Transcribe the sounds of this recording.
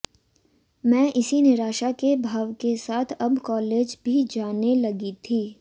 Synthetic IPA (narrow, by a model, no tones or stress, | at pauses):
mɛ̃ːʔɪsinɪɾaːʃakebʱaːʋkesaːt̪ʰɐbkɔːleːd͡ʒbʱid͡ʒaːnelɐɡit̪ʰiː